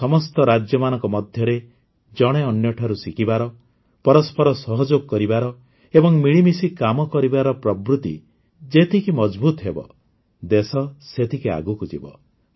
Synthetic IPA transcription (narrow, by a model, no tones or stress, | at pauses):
sɔmɔst̪ɔɾad͡ʒjɔmanɔŋkɔmɔd̪ʱjɔɾe | d͡ʒɔɽ̃eɔnjɔʈʰaɾusikibaɾɔ | pɔɾɔspʰɔɾɔsɔɦɔd͡ʒoɡɔkɔɾibaɾɔ | ebɔŋmiɭimisikamɔkɔɾibaɾɔpɾɔbɾut̪ḭ | d͡ʒet̪ʰikimɔd͡ʒbut̪ɔɦebɔ̰ | d̪esɔset̪ʰikia̰ɡukud͡ʒḭbɔ̰